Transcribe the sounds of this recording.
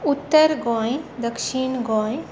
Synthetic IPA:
ut̪ːəɾɡõjd̪əkʃiɳɡõj

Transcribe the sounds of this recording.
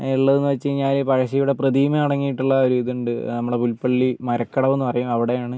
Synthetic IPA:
iɭːɐðenːɨʋɐt͡ɕːɨɲaːlpɐɻɐɕɐjuɽe̞prɐd̪iːmɐɐɽɐŋːijiʈːuɭːɐoɾuiðuɳɖɨnɐmːɐɭepulpːɐɭːimɐɾɐkːɐɽɐme̞nːɨpɐrɐjumɐʋiɽe̞jaːɳɨ

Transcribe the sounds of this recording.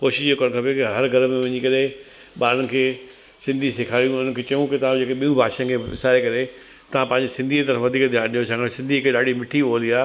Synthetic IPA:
koːʃɪʃeːkəɽ̃kʰapokɦɐɾɡʱɐɾəmẽʋɐɲikɐɾe | ɓaːɾəɽɪ̆kʰeː | sɪ̃nd̪ʱisɪkʰaːɾijũʊnəkʰeːt͡ɕɐjũkɪt̪ɐʋ̤ãd͡ʑeːkeɓijũbʱaːʃãkʰeːɪ̰saːɾekɐɾe | t̪ɐʋ̤ãpɐ̃ɦɪ̃ɲd͡ʑesɪ̃nd̪ʱit̪ɐɾəfʋɐd̪ʱiːkd̪ʱjaːɽ̃ɗijosãːŋɡəɽsɪ̃nd̪ʱikʰeːɗaːɖʱimɪʈʰioːliaː

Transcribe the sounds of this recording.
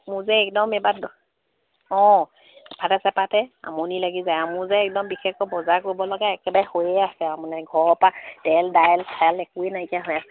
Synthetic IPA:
muzɛɛkdɔmɛbat | ɔ̃ | pʰatasɛpatɛa̰mɔnilaɡizajamuzɛːk̚dɔmbixʰɛkɔbɔzakoɹibɔlɔɡaɛkɛbajhojɛasɛamɔnaɡʱɔɹɔpad̥ɛldajɛltʰalɛkuenajkaɦojasɛ

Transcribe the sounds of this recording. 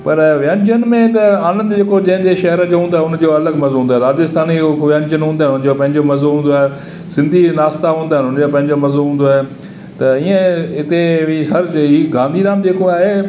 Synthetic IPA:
pɐɾʋɪjãːnd͡ʑənmẽt̪ɐaːlə̃nd̪d͡ʑeːkod͡ʑɐ̃ɦɪ̃nd͡ʑeːʃɐɦəɾəd͡ʑoːɦũːnd̪aːɦʊnd͡ʑoɐləɡmɐzoɦũːnd̪aɦeɾaːd͡ʑəst̪ʰaːnikʋɪãːnd͡ʑənɦũːnd̪aɦɪnʊnd͡ʑopɐ̃ɦɪ̃ɲd͡ʑomɐzoɦũːnd̪oaːɦe | sɪ̃nd̪ʱinaːst̪aɦũːnd̪aːɦɪnʊnd͡ʑopɐ̃ɦɪ̃ɲd͡ʑomɐzoɦũːn̆d̪oaːɦe | t̪ɐiːə̃ɪt̪eʋiɦɐɾiːɡãːnd̪ʱiɾaːmd͡ʑeːkoaːɦeː

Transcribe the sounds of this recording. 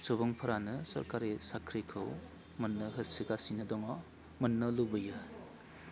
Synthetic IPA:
sobɔŋpʰɐɾanɯsɐ̰ɾkaɾisakʰɾikʰɯw | mɐnːɯɦɯsiɡasinɯdɔŋɔ | mɐnːɯlubɯjɯ

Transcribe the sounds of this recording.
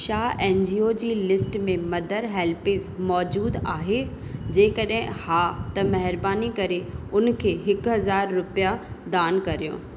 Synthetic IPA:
ʃaːeːnd͡ʑiːoːd͡ʑiːlɪsʈmẽmɐd̪ʱəɾɦɛːlpɪzmɔːd͡ʑuːd̪aːɦe | d͡ʑeːkɐɗɦɪ̃haːt̪ɐmɐɦɪɾbaːnikɐɾeʊnkʰeːɦɪkʊɦɐzaːɾːʊpijad̪aːnkɐɾijõ̰ː

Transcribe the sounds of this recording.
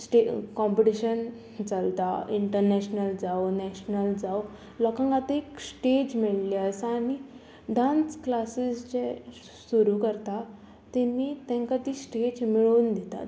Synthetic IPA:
sʈekɔmpiʈiɕən | t͡səlt̪a̰iɳʈəɾnɛɕnəld͡zawonɛɕnəld͡zaw | lɔkãŋɡat̪eksʈed͡ʑmiɭliəsaɽ̃i | ɖãnsklasist͡ɕe | suɾukəɾt̪a | t̪ɛnːiːt̪ɛ̃ŋkat̪iːsʈed͡ʑmiɭuːnd̪ɛt̪a̰t̪

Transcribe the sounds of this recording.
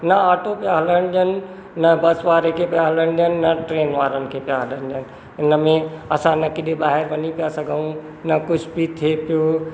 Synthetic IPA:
nəaːʈopjaɦlənd͡ʒənː | əbəsʋaːɾekʰepjaɦələnd͡ʒənːəʈɾeːnʋaːɾənkʰepjaɦələnd͡ʒən | ɪnəmẽəsãnəkɪɗ̪ebaːɦɪɾbənipjasəɡəũ | nəkʊt͡ʃʰbʱit̪ʰepjo

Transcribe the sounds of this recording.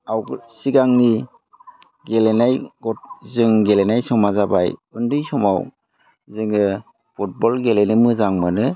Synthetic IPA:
awɡsiɡaŋni | ɡelenajɡɔt̚zɯŋɡelenajsɔmazabajɯndɯjsɔmaw | zɯŋɯ | pʰut̚bɔlɡelenimɯzaŋmanɯ

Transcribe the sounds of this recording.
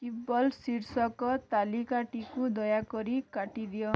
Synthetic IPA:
t̪ibɔlsiɾsɔkɔt̪alikaʈikud̪ɔjakɔɾikaʈid̪ijɔ

